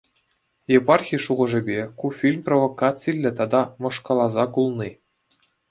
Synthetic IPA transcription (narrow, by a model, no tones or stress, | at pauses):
jepɑrxʲijʂuʁɤ̆ʐɘ̆bʲekufʲilʲmprovokɑt͡silʲːɘ̆t̪ɑd̪ɑmɤ̆ʂkɑlˠɑzɑkulˠnʲi